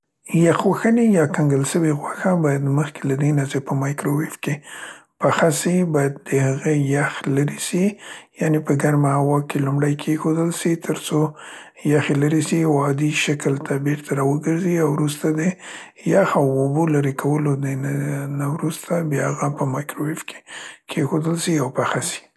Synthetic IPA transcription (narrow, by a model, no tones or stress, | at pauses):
jaxwaxənejɑkaŋɡəlʃəwiɣwaxabɑjad̪məxkelad̪enat͡sepəmɑjkɾowɪfkepaxasibɑjad̪̚ːəhaɣejaxlaɾisijanepəɡaɾmahawɑkelumɽajkʰexod̪əlʃit̪ʰəɾso | jaxelaɾisiawɑd̪iʃakəlt̪ʰabeɾt̪ʰaɾɑwəɡəɾziawɾust̪ad̪ə | jaxawobolaɾekʰawəlo | nawɾust̪abjɑhaɣapəmɑjkɾowɪfkʰe̥kʰexod̪əlsiawpaxasi̥